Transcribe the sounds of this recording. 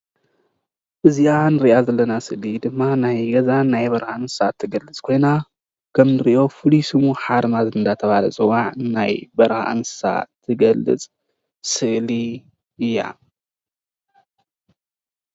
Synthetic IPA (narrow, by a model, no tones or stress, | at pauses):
ʔɨzianɨɾiʔazɐlːɐnasɨʔlid̪ɨmːanajɡɐzanajbɐɾhansɨsat̪ʰːɨɡɐlːɨt͡sʼkʰo̞jna | kʰɐmnɨɾiʔo̞fɨlisɨmuħaɾmazɨnd̪at̪ʰɐβalɐ̰t͡sʼɨwaʕnajbɐɾha̰ʔɨ̰nsɨ̥sa̰t̪ʰːɨɡɐlːɨ̰t͡sʼ | sɨʔli | ɨjːa̰